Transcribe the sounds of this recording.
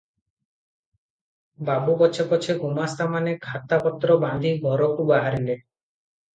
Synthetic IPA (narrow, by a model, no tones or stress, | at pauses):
babubɔt͡ʃʰepɔt͡ʃʰeɡʱumast̪amanekʰat̪apɔt̪ːɾɔband̪ʱibʱɔɾɔʈubaɦaɾile